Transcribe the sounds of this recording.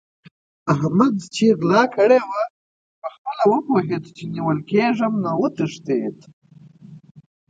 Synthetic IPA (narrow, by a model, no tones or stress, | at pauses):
aɦmad̪t͡ʃiɣlɑkəɽewa | pəxpəlawəpoɦed̪t͡ʃeniwəlkeʐəmnawət̪əʂt̪ed̪